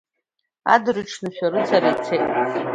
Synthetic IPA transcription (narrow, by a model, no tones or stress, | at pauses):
a̰drɨʈ͡ʂʰnɨɕᶣaɾɨt͡sʰarat͡sʰetʼ